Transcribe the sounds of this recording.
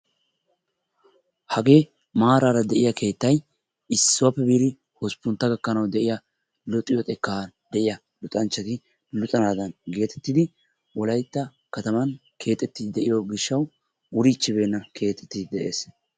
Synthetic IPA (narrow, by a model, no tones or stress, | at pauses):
hɐɡe̞ː | maːɾaːɾɐd̪ɛʔɪjɐkʰe̞ːt̪ːɐj | ɪsːʊwɐpːɛbiːɾɪ | hɔspʊnt̪ːɐɡɐkːɐnɐwd̪ɛʔɪja | lɔt̪ʼːɪjɔt̪ʼɛkːand̪̥ɛʔɪjɐ | lʊt̪ʼɐnt͡ʃːɐt̪ɪ | lʊt̪ʼɐnaːd̪ɐnɡe̞ːt̪ɛt̪ːɪd̪ɪ | wɔlɐjt̪ːɐ | kɐt̪ɐmɐn | kʰe̞ːt̪ʼɛt̪ːɪɪd̪ɛʔɪjoɡɪʃːɐw | ʊɾit͡ʃːɪbe̞ːnːɐkʰe̞ːt̪ʼːɛ̥t̪ːɪd̪ɛʔeːs